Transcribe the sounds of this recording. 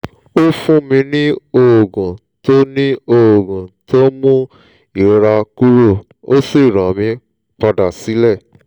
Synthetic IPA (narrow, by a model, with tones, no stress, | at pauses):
o˦fũ˦mĩ˧nĩ˦o˧˨ɡũ˨ | to˦nĩ˦o˨o˨ɡũ˨to˦mũ˦ | i˨ɾa˧ku˦ɾo˦˨ | o˦si˦˨ɾɔ̃˨mĩ˧˦ | k͡pa˧da˨si˨˦lɛ˦˨